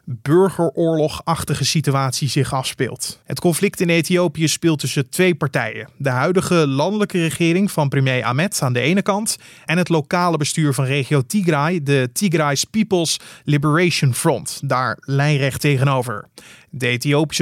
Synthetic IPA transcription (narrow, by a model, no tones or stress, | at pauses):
b̥ɵɹχəɹʔʊːɹlɔχɑχtəχəsityaːtsizɪχɑfspɪ̰ːlˠtɦətkɔnflɪktɪnejtiowpijəspɪːlˠtɵsətʋejpɑɹtɛ̰jə̰dəɦœɥdəχəlɑndələkərəχɪːɾɪŋvɑnprəmjejʔa̰ːmɛtaːndəʔejnəkɑnt | ɛnɦətlokaːləbəstyːɹvɑnrejχiowtiɡrajdətiɡrajspipəlˠslibəɹejʃənfrɔntdaːɹlɛjrɛχtejχənowvə̰ɹdəejtiowpi̥s